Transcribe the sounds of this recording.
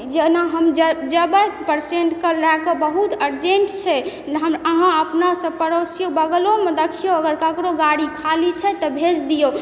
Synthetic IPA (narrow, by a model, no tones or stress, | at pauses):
d͡ʒenaɦəmd͡ʒəd͡ʒəbəpəɾseɳʈkəlakəbəɦut̪əɾd͡ʒeɳʈt͡ʃʰɛ | ɦəməɦãəpnasə̃pəɾosijobəɡlomed̪ekʰijoəɡəɾkəkɾoɡaɽikʰalit͡ʃʰɛt̪ɔbʱed͡ʒd̪ijo